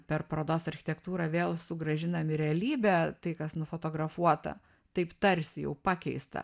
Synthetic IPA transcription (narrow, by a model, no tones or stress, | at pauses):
pʲɛrpɾoːd̪oːsɐrʲxʲɪ̥t̪ʲɛkt̪uːɾɑʋʲeːlˠsʊɡɾɐʒʲɪnɐmʲɪɾʲɛɐlʲiːbʲæt̪ɐɪkɐsnʊfot̪oːɡɾɐfuɔt̪ɐ̰ | t̪ɐɪpt̪ɐɾʲsʲɪjɛ̰ʊpɑːkʲɛɪst̪ɐ̰